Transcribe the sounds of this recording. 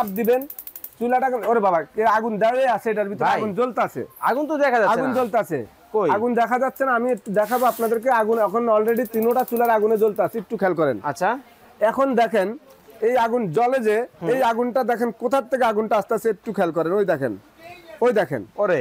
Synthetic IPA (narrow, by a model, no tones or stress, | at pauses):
ab̚d̪iben | t͡ɕulaʈaknoɾebabaeaɡund̪aejasʰeejʈaɾbʱit̪ɔɾeajɡund͡ʑolt̪eat͡ɕʰḛa̰ɡunt̪od̪ɛkʰad͡ʑaaɡund͡ʑolt̪eat͡ɕʰḛ | kojaɡund̪ɛkʰad͡ʑat̪ːɕʰenaamiek̚ʈud̪ɛkʰaboapnad̪eɾk̬eaɡunɛkʰonɔlɾeɖit̪inoʈat͡ɕulaɾaɡuned͡ʑolt̪eat͡ɕʰeek̚ʈukʰɛlk̬ɔɾḛnatːʃʰa | ɛkʰond̪ɛkʰen | ejaɡund͡ʑɔled͡ʑeejaɡunʈad̪ɛkʰenkot̪ʰat̪ʰːekeaɡunʈaaʃt̪eat͡ɕʰeek̚ʈukʰɛlk̬ɔɾenojd̪ɛkʰḛn | ojd̪ɛkʰḛnoɾe